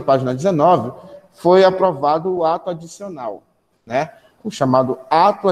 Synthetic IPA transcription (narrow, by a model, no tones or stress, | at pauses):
ɐpaʒinɐd͡ʒɪzenɔvɪfojapɾovad̪ʊːat̪ʊad͡ʒisionaw | nɛ | ʊʃamad̪ʊat̪ʊa